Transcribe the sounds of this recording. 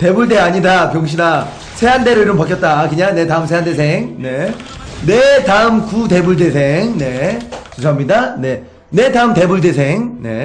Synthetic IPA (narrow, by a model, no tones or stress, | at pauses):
te̞buɭde̞aɲidakjoŋɕ̬ʰina | sʰe̞ɦande̞ɾɯiɾɯmpakjʌt̚t͈aːkɯɲane̞taɯmsʰe̞ɦande̞sʰe̞ŋne̞ | netaɯmkute̞buɭde̞sʰe̞ŋne̞t͡ɕusʰʌɦamɲidane̞ | ne̞taɯmte̞buɭde̞sʰe̞ŋne̞